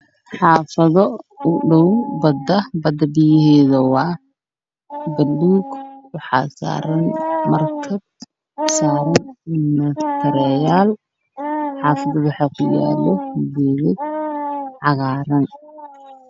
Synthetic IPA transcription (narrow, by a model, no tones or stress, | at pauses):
ħɑːfɐðɔʊɖɔwbɐd̪ɐbɐd̪ɐbɪjɪɦɛːðɐwɑː | bɐlːuːɡwɑħɑ̰ːsa̰ːɾɐnmɐrkʰɐb̚ | saːɾɐnmɐt̪ʰɐɾɛjaːl | ħɑːfɐðɐwwɑħɑːkʰʊja̰ːlɔbɛːðɪd̪̚ | ʕɑɣaːɾɐn